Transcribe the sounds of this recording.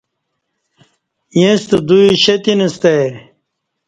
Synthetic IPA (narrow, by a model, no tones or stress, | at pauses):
jẽst̪əd̪uiɕɐt̪inɐst̪ɐ